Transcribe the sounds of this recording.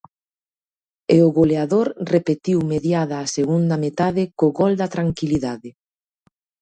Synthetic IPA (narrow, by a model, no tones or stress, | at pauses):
eoɣoleaðoɾrepet̪iwmeðjaðaːseɣund̪ɐmet̪aðekoɣɔld̪ɐt̪ɾaŋkiliðaðe